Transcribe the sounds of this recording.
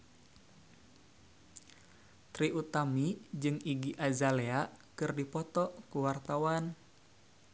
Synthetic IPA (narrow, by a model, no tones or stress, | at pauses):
t̪ɾiut̪amid͡ʒɨŋiɡiʔazaleakɨrdipɔt̪ɔkuwart̪awan